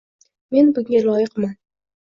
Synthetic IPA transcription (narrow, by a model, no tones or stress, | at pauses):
me̞nbʊŋʲalˠɒjɪqman